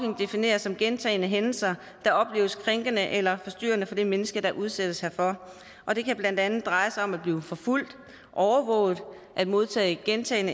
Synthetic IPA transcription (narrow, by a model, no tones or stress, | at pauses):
eŋd̥e̝fine̝̰ːɐsːɒ̽mɡ̥ent͡sʰɛ̰ːɪnəɦenl̩sɐ | d̥ɑ̈ʔɒ̽b̥le̝̰ːʊəskʰʁeŋɡ̥ənəʔelɐfɒ̽sd̥y̰ːɐnəfɒ̽d̥e̝menəsɡ̥əd̥ɑ̈ʔuð̞ˠsed̥əshæɐfɒ̽ | ʔɒ̽d̥e̝kʰæb̥læn̰d̥ænð̩ˠd̥ʁɑ̈ɪsɑɒ̽mæd̥b̥liːʊfɒ̽ful̰d̥ | ʔɒʊɐʋɔ̰̽ːʊð̩ˠ | ʔæd̥mo̝ð̞ˠt͡sʰɛ̰ːɪɡ̥ent͡sʰɛ̰ːɪnə